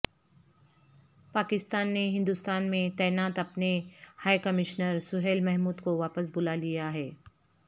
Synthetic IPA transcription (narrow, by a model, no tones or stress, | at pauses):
paːkɪst̪aːnːeɦɪ̃nd̪ʊst̪aːnmẽt̪ɛːnaːt̪ɐpnehaːjkɐmɪʃnəɾsʊɦeːlmɛɦmuːd̪koʋaːpəs̬bʊlalijaɦɛː